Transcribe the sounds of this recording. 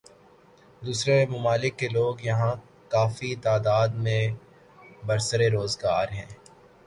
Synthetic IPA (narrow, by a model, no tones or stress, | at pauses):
d̪uːsɾemʊmaːlɪkːeloːɡjɐɦã | kaːfit̪aːd̪aːd̪mẽ | bɐɾsəɾeɾoːzɡaːɾɦɛ̰̃ː